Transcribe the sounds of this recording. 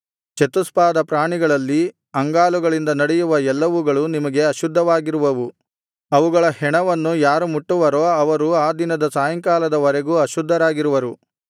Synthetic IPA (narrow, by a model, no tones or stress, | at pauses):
t͡ʃet̪uspaːd̪ɐpɾaːɳiɡɐɭɐlːi | ɐŋɡaːluɡɐɭind̪ɐnɐɽɛjuʋɐɛlːɐʋuɡɐɭunimɐɡe̞ɐʃud̪ʱːɐʋaːɡiɾuʋɐʋu | ɐʋuɡɐɭɐhɛɳɐʋɐnːujaːɾumuʈːuʋɐɾoːɐʋɐɾuaːd̪inɐd̪ɐsaːjɐŋkaːlɐd̪ɐʋɐɾeɡuɐʃud̪ʱːɐɾaːɡiɾuʋɐɾu